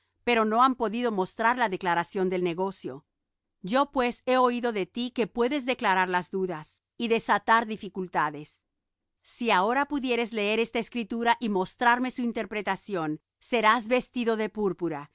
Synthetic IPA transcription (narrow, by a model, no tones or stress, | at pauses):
pe̞ɾo̞no̞ampo̞ðiðo̞mo̞st̪ɾaɾlaðe̞klaɾasjo̞nd̪e̞lne̞ɣo̞sjo̞̰ | ɟ͡ʝo̞pwe̞se̞o̞iðo̞ðe̞t̪ike̞pwe̞ðe̞zðe̞klaɾaɾlazðuðas | iðe̞sat̪aɾðifikult̪aðe̞sː | iao̞ɾapuðje̞ɾe̞zle̞e̞ɾe̞st̪aeskɾit̪uɾaʔimo̞st̪ɾaɾme̞suint̪e̞ɾpɾe̞t̪asjo̞nː | e̞ɾazβe̞st̪iðo̞ðepuɾpuɾa